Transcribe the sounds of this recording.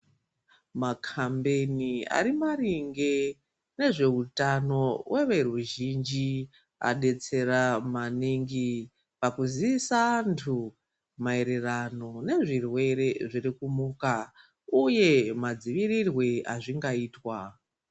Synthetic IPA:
makʰambe̞nia̰ɾimaɾiŋɡe̞ | ne̞ʐe̞utano̞wʔe̞ʋe̞ruʒind͡ʒi | a̰ɗe̞t͡se̞ɾamaniŋɡi | pakuziisantʰu | mae̞ɾe̞rano̞ne̞ʐirwe̞ɾe̞ʐirikumuka | uje̞mad͡ziʋirirweaʐiŋɡaiːtwa

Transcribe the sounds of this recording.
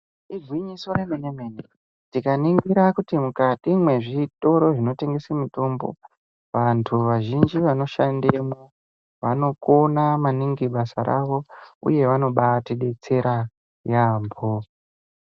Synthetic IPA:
iɡʱwiɲisoɾemenemene | ntikaniŋɡiɾakutimukatimwe̞ʐito̞ɾo̞ʐino̞te̞ŋɡesamitoːmbo̞̰ | ʋantʰuʋaʒind͡ʒiʋano̞ʃandemo | ʋano̞ko̞namaniŋɡiɓasa̰ɾa̰ʋo̞ṵje̞ʋano̞ɓatiɗe̞t͡se̞ɾa | jaːmbʱo

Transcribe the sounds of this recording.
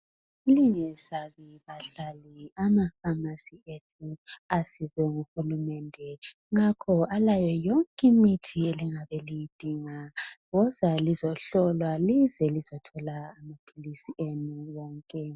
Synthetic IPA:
uliɲɛsaβiβaɬaliamafamasietʰuasizɛŋuxulumɛndʱɛ | ŋakʰɔalajɔjɔŋkʼimitʰieliŋaβɛlijid̥ʱiŋaɣɔzalizɔɬɔlwalizɛlizɔtʰɔlaːmapʰilisiʔenuwɔːŋkʼɛ

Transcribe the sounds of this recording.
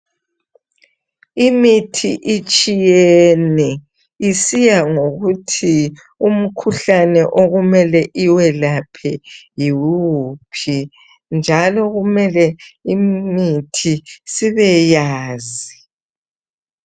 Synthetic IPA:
imitʰiʔit͡ʃʼijɛɛnɛ | isijaŋoɣutʰi | um̩kʰuɬanɛʔoɣumɛlɛʔiwɛlapʰɛjiwupʰi | nd͡ʒʱalɔɣumɛlɛimitʰisiβɛjaːzi

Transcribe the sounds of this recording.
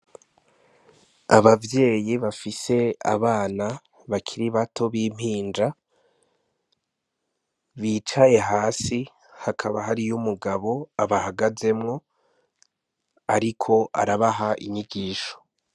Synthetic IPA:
aβavje̞ːjiβafise̞a̰βaːna | βakʰiɾiβatʰo̞βiːm̥hiːnd͡ʒa | βiːt͡ʃaje̞ɦaːsi | hakʰaβaɦaɾijumuɡaβo̞aβahaɡaze̞mŋo̞ | aɾikʰo̞ʔa̰ɾaβaɦaʔḭɲiɡiːʃo̥

